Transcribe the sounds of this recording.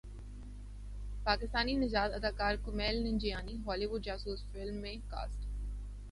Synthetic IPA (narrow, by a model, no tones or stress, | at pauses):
paːkɪst̪aːninɪd͡ʒaːd̪ɐd̪aːkaːɾkʊmɛːlnɪ̃nd͡ʒijaːniɦɔːliːʋʊɖd͡ʒaːsuːsfɪlmːẽka̰ːsʈ